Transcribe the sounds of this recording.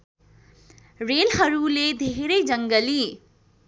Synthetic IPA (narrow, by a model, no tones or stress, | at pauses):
relɦʌɾuled̪ʱeɾʌjd͡zʌŋɡʌli